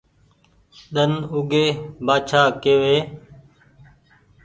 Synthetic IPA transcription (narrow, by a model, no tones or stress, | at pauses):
ɗənʊɡeːbaːt͡ʃʰaːkeːʋeː